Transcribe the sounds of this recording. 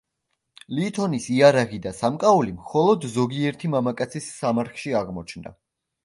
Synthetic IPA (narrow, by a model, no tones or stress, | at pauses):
liːt̪ʰɔnisiaɾaʁid̪asamkʼaulimχɔlˠɔd̪zɔɡiɛɾt̪ʰimamakʼat̪sʰisːamaɾχʃiaʁmɔt͡ʃʰnd̪a̰